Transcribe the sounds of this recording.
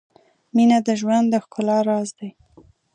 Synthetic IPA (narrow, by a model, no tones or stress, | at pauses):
minad̪əʒwand̪d̪əxkʊlɑɾɑzd̪aj